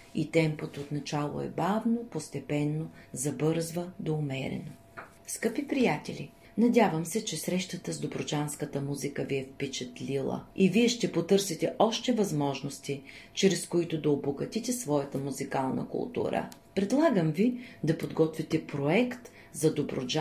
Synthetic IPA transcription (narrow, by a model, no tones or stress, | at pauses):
it̪ɛmpot̪ot̪nɐt͡ʃalˠo̰ɛ̰bavnopost̪ɛpɛnːozɐbɤɾzvəd̪oːmɛɾɛ̰no | skɤpipɾijat̪ɛlʲḭ | nɐdʲavəmsɛt͡ʃɛsɾɛʃt̪ət̪əzd̪obɾot͡ʃanskət̪əmuzikəviɛfpɛt͡ʃɛt̪lʲilˠə̰iviɛʃt̪ɛpot̪ɤɾsit̪ɛʔɔʃt̪ɛvɐzmɔʒnost̪it͡ʃɾɛskoit̪ʊd̪ɐoboɡɐt̪it̪ɛsvɔjɐt̪əmuzikalˠnə̰kʊ̰lˠt̪ṵɾə̰pɾɛd̪lˠaɡəmvid̪ɐpod̪ɡɔt̪vit̪ɛpɾoɛkt̪ | zɐd̪obɾo̰d͡ʒ